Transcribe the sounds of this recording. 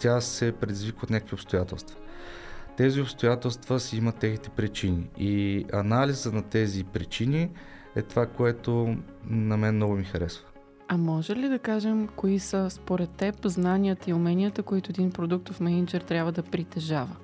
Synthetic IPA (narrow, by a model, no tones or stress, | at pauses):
t̪ʲasɛpɾɛd̪izvikəot̪nʲakəkvʲiopst̪ojat̪ɛ̰lˠst̪və̥ | t̪ɛziopst̪ojat̪ɛlˠst̪vəsɛimət̪ːɛxnit̪ɛ̥pɾit͡ʃiniiɐnalizənɐt̪ɛzipɾit͡ʃini | ɛ̰t̪ovakoɛt̪o | nɐmɛnnɔɡʊmixɐɾɛsvə̥ | ɐmɔʒɛlid̪ɐkaʒɛmkoisəspoɾɛt̪ːɛpznaniət̪əiʊmɛnʲiət̪əkoit̪ʊɛd̪inpɾod̪uk̚t̪ofmɛnʲind͡ʒɛɾt̪ɾʲjabvəd̪ɐpɾit̪ɛʒavə